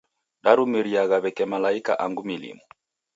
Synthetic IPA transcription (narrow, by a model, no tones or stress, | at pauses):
ɗaɾumiɾiaɣaβɛkɛmalaika̰ʔaŋɡumilḭmɔ